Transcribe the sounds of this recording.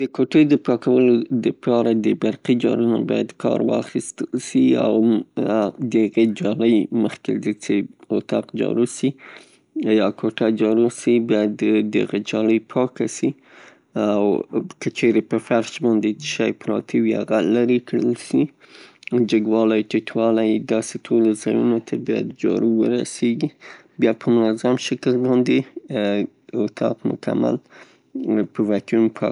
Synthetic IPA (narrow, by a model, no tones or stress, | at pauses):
d̪əkoʈəd̪əpɑkawəlod̪əpʰɑɾad̪əbaɾqid͡ʒɑ̰ɾuna̰bɑ̰jad̪kɑ̰ɾwɑ̰xist̪əlʃia̰w | d̪əhaɣed͡ʒɑləjməxkəlzit͡seo̰t̪ɑqd͡ʒɑ̰ɾosi | jɑkʰoʈad͡ʒɑɾosibɑjad̪əd̪ə̰ɣad͡ʒɑləjpʰɑkasi | awkət͡ʃeɾepəfaɾʃbɑnd̪ed̪əʃɑjpɾɑ̰t̪ʰəwiha̰ɣalaɾekɽə̰lʃi | d͡ʒəɡwɑlajt͡ʃet̪wɑlajd̪ɑsetʰolozɑjunot̪ʰabɑja̰d̪d͡ʒɑ̰ɾuwəɾa̰seɡi | bjɑpəmʊnazamʃɪkəlbɑnd̪e | ʊt̪ʰɑ̰pmʊ̰kʰa̰ma̰l | pəwakunpʰɑ̰